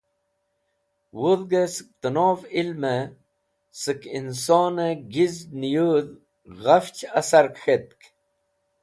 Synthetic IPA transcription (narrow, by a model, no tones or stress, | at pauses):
wuðɡesɨ̥k̚t̪ənoːvilme | sɨkinsoːnəɡiznijuð | ɣɐft͡ɕɐsɐɾkxet̪̚k